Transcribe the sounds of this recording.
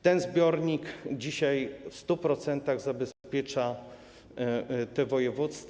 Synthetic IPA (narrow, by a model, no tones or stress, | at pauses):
t̪ɛnzbʲjɔɾɲikd͡ʑiɕajfst̪upɾɔt̪sɛnt̪aɣzabɛspʲjɛt͡ʂa | t̪ɛvɔjɛvut̪st̪f